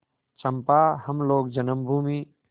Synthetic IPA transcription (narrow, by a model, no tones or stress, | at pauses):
t͡ʃɐmpaːhɐmloːk̚d͡ʒənəmbʱuːmi